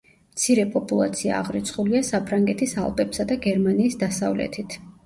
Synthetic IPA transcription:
mt̪sʰiɾɛpʼɔpʼulˠa̰t̪sʰia̰ːʁɾit̪sʰχuliasapʰɾaŋɡɛt̪ʰisa̰lˠpʼɛpsad̪aɡɛɾmaniːsd̪asa̰vlɛ̰t̪ʰit̪ʰ

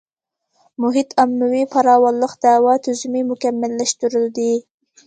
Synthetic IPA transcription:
mʊɦit̪ʰɑmːʊwipʰɑɾɑːwɑlˠːəqd̪̥æwɑt̪ʰyzumɪmʊkʲɛmːɪlːæʃt̪uɾɪld̪ɪ

